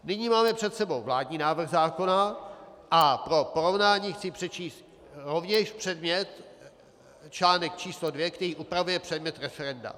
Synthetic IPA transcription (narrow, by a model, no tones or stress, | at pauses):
nɪɲiːmaːmɛpr̥ɛt̪sɛbo̞wvlaːdɲiːnaːvr̩xzaːko̞naʔapɾo̞po̞ɾo̞vnaːɲiːxt͡sɪpr̝̥ɛt͡ʃiːst̪ | ɾovɲɛʃpr̝̥ɛdmɲɛt̪ | t͡ʃlaːnɛk̚t͡ʃiːslodvjɛkt̪ɛɾiːʔupɾavujɛpr̥ɛdmɲɛt̪ɾɛfɛɾɛnda̰